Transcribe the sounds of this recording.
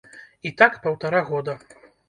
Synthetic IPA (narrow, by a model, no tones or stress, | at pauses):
it̪akpɐwt̪aɾaɣɔd̪ɐ